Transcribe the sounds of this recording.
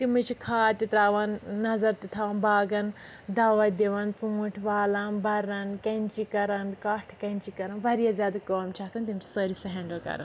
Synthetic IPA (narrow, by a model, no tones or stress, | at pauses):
t̪imut͡ʃʰikʰaːt̪it̪ɾaːʋɐnːɐzɐɾt̪it̪ʰaːʋɐnbaːɡɐn | d̪aːʋɐt̪d̪eʋɐnt͡sũːʈʰʋaːlɐnbɐɾɐnkɐnʲt͡ʃikɐɾɐnkɐʈʰkɐnʲt͡ʃikɐɾɐnbɐɾijazʲjaːd̪ɐkɐːmt͡ʃʰaːsɐnt̪imt͡ʃʰi̥sɐɾisɐɦɛːɳɖəlkɐ̰ɾɐn